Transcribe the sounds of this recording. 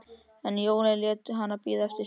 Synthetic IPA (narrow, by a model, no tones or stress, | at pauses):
ɛnjoːwnɛljɛːt̪ʏɦanːapiːðaɛft̪ɪ